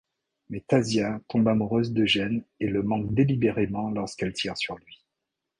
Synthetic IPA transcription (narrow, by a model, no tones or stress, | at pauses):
mɛt̪azjat̪ʰɔ̃bamuʁøzd̪əʒɛneləmɑ̃k̚d̪elibeʁemɑ̃lɔʁskɛlt̪ʰiʁsyʁlɥi